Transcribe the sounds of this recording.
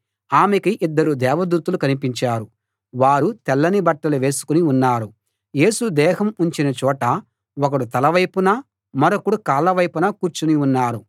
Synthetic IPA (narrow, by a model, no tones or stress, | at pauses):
aːmekiʔid̪ːɐɾud̪ɛːʋɐd̪uːt̪ulukɐnipiɲt͡ʃaːɾu | ʋaːɾut̪ɛlːɐnibɐʈːɐluʋe̞ːsu̥kuniunːaːɾu | je̞ːsud̪ɛːɦɐmuɲt͡ʃinɐt͡ʃɔːʈɐ | ɔkɐɽut̪ɐlɐʋɐjpunɐ | mɐɾokuɽukaːlːɐʋɐjpunɐkuːɾt͡ʃuniunːaːɾu